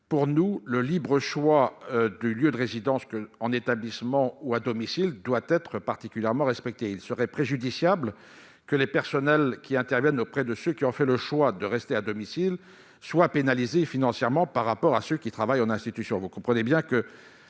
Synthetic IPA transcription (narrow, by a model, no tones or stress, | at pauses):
puʁnuləlibʁəʃwad̪yljød̪əʁezid̪ɑ̃skəɑ̃net̪ablismɑ̃uad̪ɔmisild̪wat̪ɛt̪χəpaʁt̪ikʲyljɛʁmɑ̃ʁɛspɛk̚t̪eilsəʁɛpχeʒyd̪isjabl | kəlepɛʁsɔnɛlkʲiɛ̃t̪ɛʁvjɛnopχɛd̪əsøkʲiɔ̃fɛləʃwad̪əʁɛst̪ead̪ɔmisil | swapenalizefinɑ̃sjɛʁmɑ̃paʁːapɔʁasøkʲit̪χavajɑ̃nɛ̃st̪it̪ysjɔ̃vukɔ̃pχənebjɛ̃kə